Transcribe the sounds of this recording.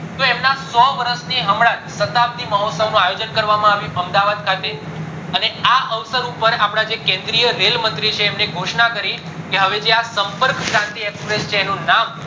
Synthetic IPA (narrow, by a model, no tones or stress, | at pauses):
t̪oemnasɔʋəɾəst̪ʰiɦəmɽãt̪sət̪ap̚d̪iməɦɔt̪səʋnũajod͡ʒənkəɾʋamãaʋjũʔəmd̪aʋad̪̚kʰat̪e | əneaʔəʋsəɾupəɾapɽ̃ad͡ʒekɛ̃nd̪ɾijəɾelmənt̪ɾit͡ʃʰeːmneɡʱoʃnakəɾi | keɦəʋed͡ʒeasəmpəɾkskãnt̪iekspɾest͡ʃʰeːnũnam